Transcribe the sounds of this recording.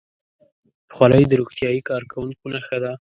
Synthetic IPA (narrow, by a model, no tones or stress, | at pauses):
pə̥xwɑlajd̪əɾoxt̪jɑjikɑɾkawuŋkonaxad̪a